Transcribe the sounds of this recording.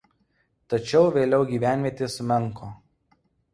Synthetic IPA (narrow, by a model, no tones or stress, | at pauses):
t̪ɐt͡ʃʲɛʊʋʲeːlʲɛʊɡʲiːʋʲæˑnʲʋʲiɛt̪ʲesʊmʲɛŋkoː